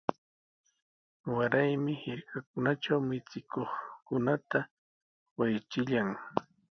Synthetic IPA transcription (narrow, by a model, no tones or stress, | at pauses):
waɾajmɪhɪɾkak̚ʊnaʈ͡ʂawmɪt͡sɪkoχkʊnat̪a | wajt͡ʃɪʎaŋ